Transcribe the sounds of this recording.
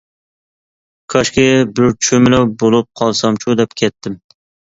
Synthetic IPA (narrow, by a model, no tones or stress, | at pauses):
kʰɒʃkʲɪbɪɾt͡ʃʰʊmɪlawbolˠɪp̚qʰɒlˠsɒmt͡ʃʰud̪ɛpkʲʰet̪ʰːɪm